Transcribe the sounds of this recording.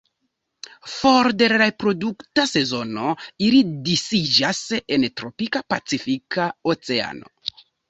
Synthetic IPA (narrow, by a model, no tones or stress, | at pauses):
fo̞ɾde̞ɾɾapɾo̞duktase̞zo̞no̞ilidisid͡ʒase̞ntɾo̞pikapat͡sifikʰaot͡se̞a̰no̞̰